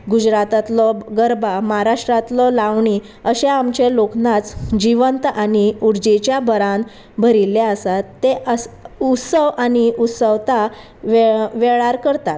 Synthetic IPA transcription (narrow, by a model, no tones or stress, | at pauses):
ɡud͡ʑɾat̪at̪lɔɡəɾbʱamaɦaɾaʂʈɾat̪lɔlaʋɳi | əɕeamt͡ɕeloknat͡sd͡ʑiʋənt̪aniuɾd͡ʑet͡ɕjabəɾãn | bʱəɾiljaəsat̪ːeəsut̪səʋaniut̪səʋt̪a | ʋeʋeɭaɾkəɾt̪at̪